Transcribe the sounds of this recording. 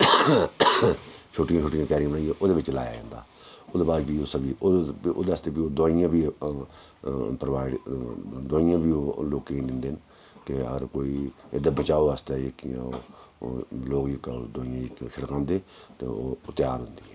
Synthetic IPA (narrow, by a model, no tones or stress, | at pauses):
t͡ʃʰʊʈɪjãːt͡ʃʰʊːʈːɪjãːkaːɾijãːbənaːiɛːʔoːd̪eːʋɪt͡ʃla̰ːja̰ːd͡ʒã̰ːnd̪a̰ː | ʊd̪eːbaːd̪biːoːsəbiːoo̰ːd̪eəst̪eːpiːoːd̪aːijãːbiː | pɾəʋaːɪɖd̪oːɪjãːbʱiːoːloːkeĩd̪ɪnd̪eːn | keə̰ɡəɾkoːiːed̪abət͡ʃaːoːast̪eːekɪjã̰ːoː | loːkikːd̪oːɪjãːkːʃʰəɽkãːnd̪eːt̪eːo̰ːʊt̪jaːɾɦʊ̃nd̪iːɦɛː